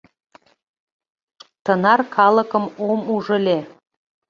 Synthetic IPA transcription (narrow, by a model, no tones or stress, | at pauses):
t̪ənɑrkʰɑlə̆kə̆momuʒə̆lʲe